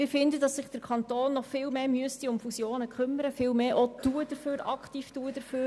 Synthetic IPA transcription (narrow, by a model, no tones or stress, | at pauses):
mɪːɾfɪndədɑsɪχd̥əɾkʰɑnt̪oːnːɔχfɪːlmeːmyəstiʊmfusjoːnəkʰχʏmːəɾəfɪːlmeːʔotuəd̥əɾføːɾɑ̰kχtiːftuədəɾføː